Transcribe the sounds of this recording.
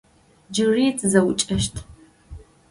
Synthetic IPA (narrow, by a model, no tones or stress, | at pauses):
d͡ʒɨriːt͡sʼɨzɐwʊt͡ʃʼɐʃtʰ